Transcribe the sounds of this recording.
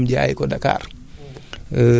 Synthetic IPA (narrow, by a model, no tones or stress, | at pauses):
md͡ʒajkɔdaka̰ːr